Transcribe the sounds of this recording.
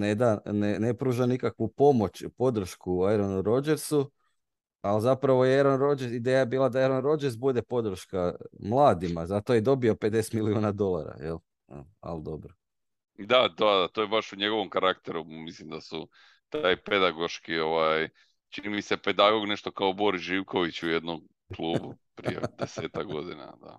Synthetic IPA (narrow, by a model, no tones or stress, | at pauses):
ned̪anenepɾuːʒanikakʋupo̞mo̞t͡ɕpo̞d̪ɾ̩ʃkuajɾonuɾo̞d͡ʒeɾsu | alzapɾaʋo̞jeɾonɾod͡ʒesid̪eːjajebiːlˠad̪aeɾonɾo̞d͡ʒeɾzbud̪e̞po̞d̪ɾ̩ʃkamlˠaːd̪imazat̪ojed̪o̞bio̞pe̞d̪e̞se̥t̪miliuːnad̪o̞lˠa̰ɾa̰jel̰ | a̰ld̪o̞bɾo | d̪ad̪ad̪at̪ojebaʃuɲe̞ɡo̞ʋomkaɾakt̪eɾumislimd̪asu | t̪aːjpe̞d̪aɡo̞ʃkio̞ʋaj | t͡ʃinimise̞pe̞d̪aɡo̞ɡne̞ʃt̪o̞kaobo̞ɾisʒiwko̞ʋit͡ɕuje̞d̪nom | klˠuːbupɾḭjḛd̪eseːt̪akɡo̞d̪ina̰d̪a̰